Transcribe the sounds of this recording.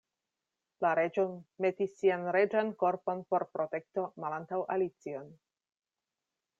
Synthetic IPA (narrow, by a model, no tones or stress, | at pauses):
laɾe̞d͡ʒome̞tisːianɾe̞d͡ʒanko̞ɾpo̞npo̞ɾpɾo̞te̞k̚to̞malantawʔalit͡sio̞n